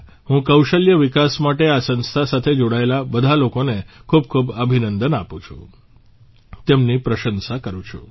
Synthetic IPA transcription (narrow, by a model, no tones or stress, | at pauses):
ɦũkəwʃəljəʋikasmaʈeasə̃nst̪ʰasat̪ʰed͡ʒoɽaelabəd̪ʱalokonekʰub̚kʰubəbʱinənd̪ənapũt͡ʃʰṵ̃ | t̪emnipɾəʃənsakəɾũt͡ʃʰṵ